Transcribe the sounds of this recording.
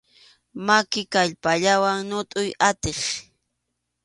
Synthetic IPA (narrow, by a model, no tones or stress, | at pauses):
makɪkaʎpaʎawaŋnʊt̪ʼʊjat̪eχ